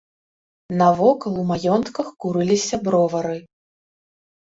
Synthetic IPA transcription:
nɐvɔkɐlˠumajɔnt̪kɐxkuɾɨlʲisʲɐbɾɔvɐɾɨ

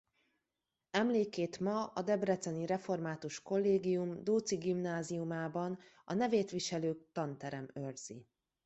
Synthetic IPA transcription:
ɛmleːkeːt̪mɒɒd̪ɛbrɛt̪sɛniɾɛfo̞rmaːt̪uʃko̞lːeːɡijumd̪oːt̪siɡimnaːziumaːbɒn | ɒnɛveːt̪ʋiʃɛløːkt̪ɒnt̪ɛɾɛmørz̥ḭ

